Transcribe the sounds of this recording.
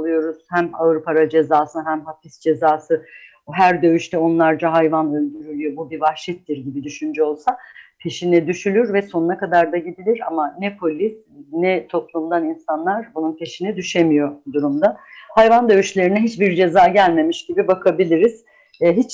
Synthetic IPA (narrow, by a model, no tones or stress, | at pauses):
lˠɯjo̞ɾuz̥hæmavɾupaɾad͡ʒe̞zaːsɯnɦæmɦafisd͡ʒe̞zaːsɯ | ɦæɾd̪ø̞yʃt̪ʰɛo̞nlˠaɾd͡ʒaɦajvanø̞lʲd̪yɾylʲyjo̞bubivahʃit̪ːiɾɟibid̪yʃynd͡ʒɛo̞lˠsapʰe̞ʃinɛd̪yʃylʲyɾvɛso̞nunakad̪aɾd̪aɟid̪ilʲiɾa̰manɛpʰo̞lʲis | nɛt̪ʰo̞plˠumd̪aninsanlˠaɾbununpʰe̞ʃinɛd̪yʃe̞mijo̞d̪uɾumd̪ahajvand̪ø̞jyʃlʲeɾinɛɦit͡ʃbiɾd͡ʒe̞zaːɟælʲme̞miʃɟ̥ibibakʰabilʲiɾiz̥ | ɦit͡ʃ